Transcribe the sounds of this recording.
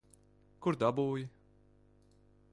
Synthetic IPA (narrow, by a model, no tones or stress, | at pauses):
kuɾd̪abuːji